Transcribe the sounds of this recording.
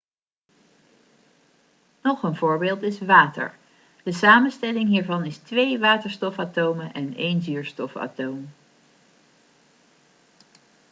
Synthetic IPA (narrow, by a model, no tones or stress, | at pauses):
nɔχənvʊːɹbɪːlˠtɪsʋaːtə̰ɹ | d̥əsaːmənstɛlɪŋɦiːɹvɑnɪstʋejʋaːtəɹstɔfaːtowməʔɛnejnzyːɹstɔfa̰ːtowm